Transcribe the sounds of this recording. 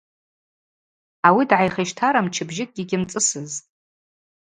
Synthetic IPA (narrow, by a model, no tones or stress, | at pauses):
awidʕajχeʃtʰaɾamt͡ʃʰɪbʒɪk̚ʼɡʲɪɡʲɪmt͡sʼɨsɨztʼ